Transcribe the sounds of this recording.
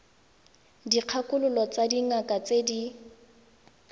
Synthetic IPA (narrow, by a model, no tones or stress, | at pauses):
diq͡χʰakʼʊlʊlɔt͡sadiŋakʼat͡sedi